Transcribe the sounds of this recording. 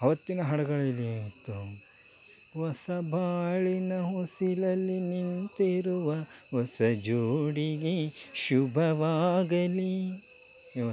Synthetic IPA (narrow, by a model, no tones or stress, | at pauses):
ɐʋɐt̪ːinɐɦɐɽɐɡɐɭilːit̪ːu | ʋɔsɐbʱaːɭinɐɦosilɐlːinint̪iɾuʋɐ | ɔsɐd͡ʒuːɽiɡe | ʃubʱɐʋaːɡɐli | ɐ